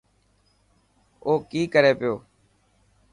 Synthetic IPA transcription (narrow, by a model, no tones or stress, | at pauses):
oːkiːkəɾeːpɪjoː